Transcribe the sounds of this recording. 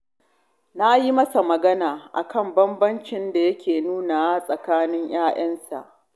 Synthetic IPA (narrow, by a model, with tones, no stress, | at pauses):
na˦ji˦mɐ˦sa˨mɐ˨ɡɐ˦naː˨ʔa̰˨kɐ˦˨mbɐ˦mbɐ˦nt͡ʃɪ˦nda˨jɐ˦kʲeː˨nuː˦naː˨wa˦sʼɐ˨kaː˦nɪ˦ɲj̰aː˦ʔɐ˦nsa̰˨ʔ